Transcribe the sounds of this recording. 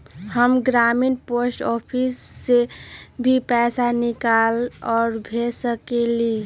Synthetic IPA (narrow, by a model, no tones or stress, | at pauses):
həmɡɾaminposʈɔpʰisːebʱipɛːsanikalɔːɾbʱesəkeli